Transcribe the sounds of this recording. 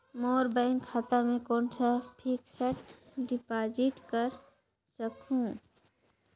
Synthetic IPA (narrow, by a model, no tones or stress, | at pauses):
moːɾbɛ̃ːŋkʰːaːt̪amẽkoːnsapʰiːkseʈɖɪpaːd͡ʒɪʈkəɾ | səkũ